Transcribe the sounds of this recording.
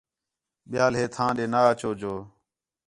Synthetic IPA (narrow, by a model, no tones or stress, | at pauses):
ɓɪjaːlɦeːt̪ʰãːɗeːnaːt͡ʃoːd͡ʒoː